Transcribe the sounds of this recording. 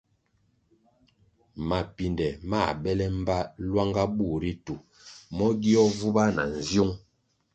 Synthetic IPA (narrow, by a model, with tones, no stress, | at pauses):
ma˨pi˨ndɛ˨ma˦˨ɓɛ˦lɛ˦m̩˦ba˦lwa˦ŋɡa˦bu˦˨ɾi˦tu˨ | mɔ˦ɡi˦ɔ˦vu˦ba˦na̰˨n̩˨zju˦ŋ